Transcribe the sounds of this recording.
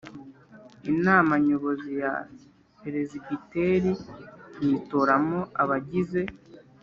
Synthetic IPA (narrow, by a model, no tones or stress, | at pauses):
inaːmaɲoβo̞zija̰ | peɾeziɡiteːɾiniːtoɾamoaβaɟize̞